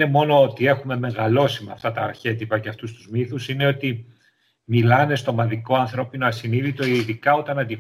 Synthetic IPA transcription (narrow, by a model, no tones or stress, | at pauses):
ne̞mo̞no̞ot̪ie̞xume̞me̞ɣɐlo̞simɐ̰ft̪ɐt̪ɐːɾçe̞t̪ipɐceɐft̪ust̪uzmiθusine̞o̞t̪i | milɐne̞st̪o̞mɐðiko̞ɐnθɾo̞pino̞ɐsiniðit̪o̞iðikɐo̞t̪ɐnɐnd̪i